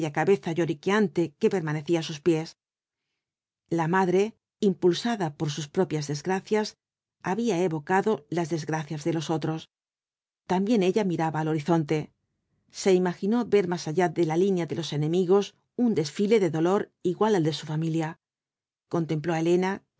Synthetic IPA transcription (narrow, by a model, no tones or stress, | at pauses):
ʎakaβe̞θaʝo̞ɾikeant̪e̞ke̞pe̞ɾmane̞θiasuspje̞s | lamaðɾe̞ | impulsaðapo̞ɾsuspɾo̞pjazðe̞zɣɾaθjas | aβiaeβo̞kaðo̞lazðe̞zɣɾaθjazðe̞lo̞so̞t̪ɾo̞s | t̪ambje̞ne̞ʎamiɾaβaːlo̞ɾiθo̞nt̪e̞ | se̞imaxino̞βe̞ɾmasaʎaðe̞lalinjaðe̞lo̞se̞nẽ̞miɣ̞o̞s | und̪e̞sfile̞ðe̞ðo̞lo̞ɾiɣwaleld̪e̞sufamilja | ko̞nt̪e̞mplo̞ele̞na